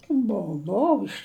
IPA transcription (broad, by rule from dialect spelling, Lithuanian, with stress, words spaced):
ˈboːʊ ˈboːʊ ɪʃ